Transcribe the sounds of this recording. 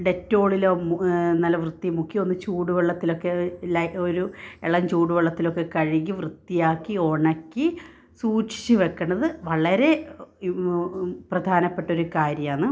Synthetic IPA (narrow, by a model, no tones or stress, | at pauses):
ɖe̞tːo̞ːɭilomnɐlːɐʋrɨt̪ːimukːio̞nːɨt͡ɕuːɽuʋeɭːɐt̪ːilo̞kːe̞lɐoɾueɭɐɲt͡ɕuːɽuʋeɭːɐt̪ːilo̞kːe̞kɐɻiɣiʋrɨt̪ːijaːkːio̞ɳɐkːi | suːʈʂi̥t͡ɕːɨʋe̞kːɐɳɐðɨʋɐɭɐɾe̞ | prɐd̪ʱaːnɐpːe̞ʈːo̞ɾukaːɾjɐmaːɳːɨ